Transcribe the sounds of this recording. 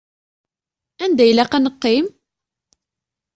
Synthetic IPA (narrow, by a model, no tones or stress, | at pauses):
ænd̪æjlæqænəqːim